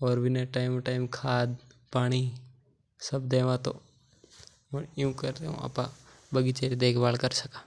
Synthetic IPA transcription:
ɔːɾʋɪnẽʈaːɪmʈaːɪmkʰaːd̪paːɽ̃i | səbd̪eːʋãt̪o̰ | məɳɪjũkəɾt̪eɦṵ̃ɐ̰pã | bəɡit͡ʃeːɾid̪eːkʰbaːlkəɾsəkãː

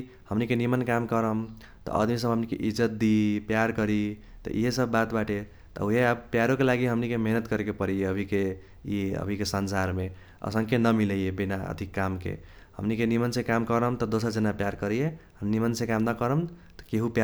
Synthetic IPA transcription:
həmnikenimənkamkəɾəm | t̪ɔ̰ə̰d̪mis̬əbɦəmnikḛʔid͡ʒət̪̚d̪ipjaɾkəɾit̪ɔ̰ʔḭɦesəbːat̪baʈe | t̪ɔ̰uɦeabpjaɾokelaɡiɦəmnikemeɦnət̪kəɾekepəɾijeəbʱike | iə̰bʱikesənsaɾme | ə̰sə̃ŋkenəmiləjebinaə̰d̪ʱikːamkḛ | hə̰mnikenimənsẽkamkəɾəmt̪ɔd̪osəɾd͡ʒənapjaɾkəɾijeɦənimənsẽkamnəkəɾəm | t̪ɔ̥keɦupja

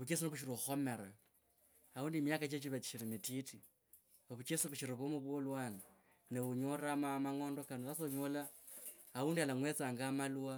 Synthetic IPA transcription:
βut͡ʃesinoβuʃ̬iɾoxo̞me̞ɾa | auːndimjakat͡ʃet͡ʃiβat͡ʃi̥ʃiɾimititi | βaβut͡ʃesiβuʃiɾiβumuβwolwaːna | neuɲoramamaŋo̞ːndo̞kanoasoɲolaː | uːndialaŋwet͡saːŋɡamalua

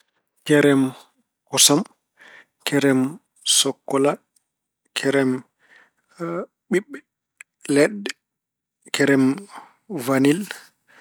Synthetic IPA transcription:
kɛɾɛm | kɔsam | kʰɛɾɛm | sɔkːɔla | kʰɛɾɛm | ɓiɓːɛ | lɛɗːɛ | kʰɛɾɛm | vanil

